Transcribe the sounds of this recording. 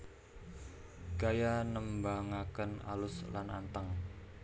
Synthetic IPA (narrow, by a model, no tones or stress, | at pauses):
ɡ̥ajanəmbaŋakəna̰lʊslana̰nt̪əŋ